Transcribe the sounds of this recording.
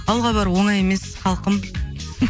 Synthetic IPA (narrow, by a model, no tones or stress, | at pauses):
ɑlˠʁɑbɑɾwoɴɑjeme̞sχɑlˠqəm